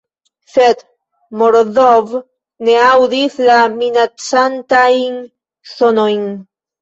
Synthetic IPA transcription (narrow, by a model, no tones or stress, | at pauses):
θet̪ | moɾðov | neawðiθlaminat͡sant̪ajŋ | sonojŋ